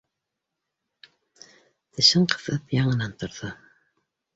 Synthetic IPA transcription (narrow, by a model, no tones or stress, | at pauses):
t̪ʰɘ̆ɕɤɴqʰɤ̥̆θɤpjɑɴɤ̆nɑnt̪ŏɾðɤ